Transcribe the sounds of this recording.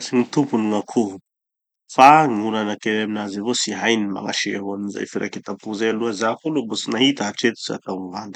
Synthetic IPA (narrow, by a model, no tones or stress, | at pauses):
siŋit̪umpunuŋakʰu | faŋulanakeɾeminazivosiɦajnima̰ŋa̰ʃiaɦaninza̰jfiɾa̰ket̪apuzajaluazakolubosinaɦit̪aaʈ͡ʂet̪u̥sia̰t̪awnivand̪i̥